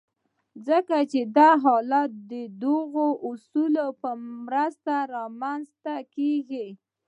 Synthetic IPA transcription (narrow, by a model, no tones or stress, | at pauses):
zəkat͡ʃed̪ɑɦɑlat̪̚d̪əd̪ʊɣoʔʊsulopəmɾəst̪aɾɑmanzt̪akeɡi